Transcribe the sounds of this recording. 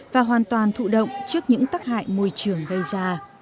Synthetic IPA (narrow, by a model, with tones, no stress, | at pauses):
vaː˨˩ɦwaː˨˩nt̪waː˨˩nt̪ʰṵ˧˨ɗə̰˧˨wŋ͡mt͡ɕɨ˦˥ək̚ɲɨ̰˧˥ŋt̪aː˦˥k̚ha̰ː˧˨jmo˧jt͡ɕɨ˧˩əŋɣə˧jzaː˧